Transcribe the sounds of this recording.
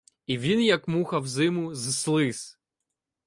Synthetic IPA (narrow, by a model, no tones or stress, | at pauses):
iʋʲinjɐkmuxɐwzɪmʊzslˠɪs